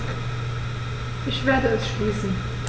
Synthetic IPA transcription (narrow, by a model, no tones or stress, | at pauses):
ʔɪçv̥eːɐdəɛsʃliːsn̩